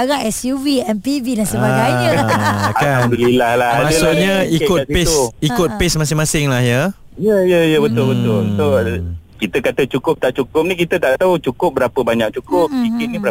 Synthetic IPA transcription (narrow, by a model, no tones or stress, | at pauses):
aɡaŋɛsjuviɛnpividaŋsəbaɡajɲə | aabəlilahlahamaassʊʔɲaikʊt̚pɪsikʊt̪̚pɪsmas̬ɪŋmãsɪŋlahjə | jəjəjəbət̪ʊlbət̪ʊlt̪okit̪əkat̪ət͡ʃukʊp̚t̪aʔt͡ʃukʊp̚nĩkit̪ət̪aʔt̪aut͡ʃukʊp̚bəɾapəbaɲak̚t͡ʃukʊp̚ikɪt̪nĩbəɾa